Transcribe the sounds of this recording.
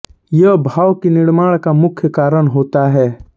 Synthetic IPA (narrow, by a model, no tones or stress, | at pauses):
jɐbʱaːwkinɪɽmaːɭkamʊkʰjəkaːɾəɽ̃ɦoːt̪aɦɛː